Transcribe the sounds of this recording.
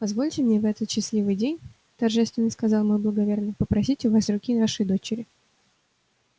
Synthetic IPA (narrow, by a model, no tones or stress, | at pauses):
pɐzvo̞lʲtʲɪmnʲevɛt̪ət̪ɕːɪsʲlʲivɨjdʲenʲ | t̪ɐrʐɛst̪vʲɪnːəskɐzɑlˠmojblˠəɡɐvʲernəpəpɾɐsʲitʲʊvasrʊkʲinaʂɨjd̪o̞t͡ɕɪɾʲɪ